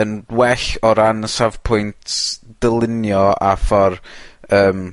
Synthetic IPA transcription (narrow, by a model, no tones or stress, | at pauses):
ənwɛɬɔɾanəsav̥pʰʊjntʰd̥əlˠɪnjɔa̰fɔrəːm